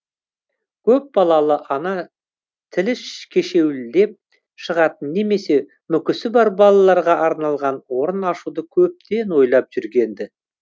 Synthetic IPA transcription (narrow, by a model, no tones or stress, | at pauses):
kʲʰɵp̚bɑlˠɑlˠəʔɑnɑ | t̪ʰɪlɪʃkʲʰe̞ʃe̞wd̪e̞p̚ | ʃəʁɑt̪ənːe̞me̞se̞ | mʏkʲɪsɪbɑɾbɑlˠɑlˠɑɾʁɑʔɑɾnɑlˠʁɑnwo̞ɾənɑʃud̪əkʲʰɵp̚t̪e̞nwo̞jlˠɑp̚ʒ̥ʏɾɡʲe̞nd̪ɪ